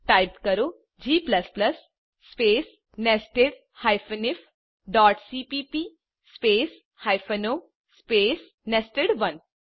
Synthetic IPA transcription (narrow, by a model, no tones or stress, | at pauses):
ʈaɪpkɐɾoː | d͡ʒiːplɐsplɐsː | peːs | nesʈɪʋ | hajfənɪf | ɖɔːʈsiːpiːpiː | speːs | hajfɐno | speːs | nesʈeɖʋɐn